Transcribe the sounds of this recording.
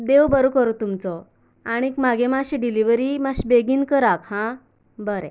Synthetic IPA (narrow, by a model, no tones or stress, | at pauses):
d̪ewbəɾokəɾot̪umt͡sɔ | aɽ̃iːkmaɡemaɕiɖiliʋəɾimaɕbeɡiːnkəɾakhã | bəɾɛ̃